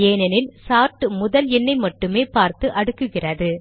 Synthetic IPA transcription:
eːnɐnɪlsaːɾʈɯmʊðɐlɛnːɐɪmɐʈːɯmeːpaːɾt̪ɯʔɐɽɯkːɯɣɪrɐðɯ

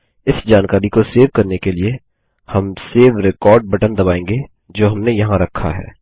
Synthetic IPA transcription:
ɪsd͡ʒaːnkaːɾikoseːʋkɐɾnekelie | hɐmseːʋɾekɔːɾɖ̚bɐʈə̃nd̪ɐbaːẽːŋɡe | d͡ʒoːɦɐmnejɐɦãɾɐkʰːa̰ɦɛ̰ː

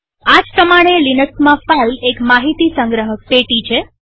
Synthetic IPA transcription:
ad͡ʒpɾəmaɽ̃elinəksmãfalekmaɦit̪isəŋɡɾəɦəpeʈit͡ʃʰe

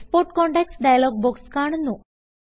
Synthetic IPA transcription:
spoɾʈkɔ̃ɳʈɛksɖajlɔɡ̚bɔkskaɳnu

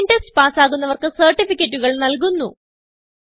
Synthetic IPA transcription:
ndeksspaːsaːɣunːɐʋɐrkɨsɐrʈːifikʲːɐtːuɣɐɭnɐlk̬unːu

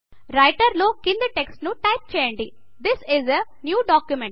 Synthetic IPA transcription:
ɾɐjʈɐɾloːkind̪iʈeksʈnuʈɐjp̚t͡ʃeːjɐɳʈi | d̪isizɐnjuːɖaːkjumẽɳʈ

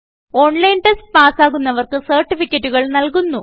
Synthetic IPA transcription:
o̞ːɳlɐjnʈestpaːsaːɣunːɐʋɐrkɨsɐːrʈːifikʲːɐtːuɣɐɭnɐlkunːu

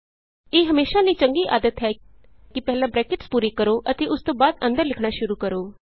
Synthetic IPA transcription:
eːɦəmeːʃaːliːt͡ʃəŋɡiːʔa̰ːd̪ət̪ɦɛːkɪpɛːlãːbɾɛːkɪʈspuːɾiːkəɾoːʔət̪eːʔʊst̪õːbaːd̪ə̃nd̪əɾlɪkʰɳ̃aːʃʊɾuːkəɾoː

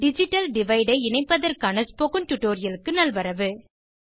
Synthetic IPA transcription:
ɖɪd͡ʒɪʈːɐlɖɪʋɐɪɖɐɪɪnɐɪpːɐðɐɾkaːnɐspoːɣɯnʈ̪ʊʈːoːɾɪjɐlɯkːɯnɐlʋɐɾɐʋɯ

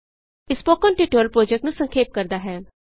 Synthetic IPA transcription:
ɪspoːkɔːnʈiʈoɾəlpɾoːd͡ʒɛk̚ʈnũːsə̃ŋkʰeːp̚kəɾd̪aːɦɛː

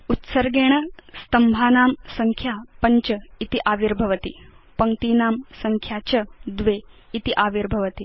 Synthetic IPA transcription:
ut̪sɐɾɡeːɳ̃ɐst̪ɐmbʱaːnaːmsɐŋkʰjaːpɐɲt͡ʃɐit̪iʔaːʋiɾbʱɐʋɐt̪ipɐŋt̪iːnaːmsɐŋkʰjaːt͡ʃɐd̪ʋeːt̪iʔaːʋiɾbʱɐʋɐt̪i

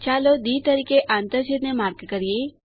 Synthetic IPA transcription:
t͡ʃalod̪iːt̪əɾikeʔãnt̪əɾd͡ʒet̪nemaɾɡkəɾije

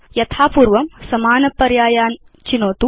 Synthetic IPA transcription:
jɐt̪ʰaːpuːɾʋɐmsɐmaːnɐpːɐɾjaːjaːn | t͡ʃinoːt̪u

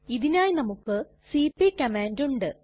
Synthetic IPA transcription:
iðinaːjnɐmukːɨ | siːpːikɐmaːnduɳɖɨ

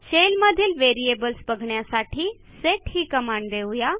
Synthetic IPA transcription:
ɕelməd̪ʱiːlʋeɾiebəlsbəɡʱɳjasaʈʰiː | seʈhiːkəmaɳɖd̪eʋja

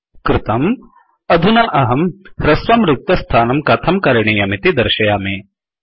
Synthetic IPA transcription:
kɾɪt̪ɐm | ɐd̪ʱunɐʔɐɦɐmhɾɐsʋɐmɾɪk̚t̪ɐst̪ʰaːnɐmkɐt̪ʰɐmkɐɾɐɳ̃iːjɐmit̪id̪ɐɾʃɐjaːmeː

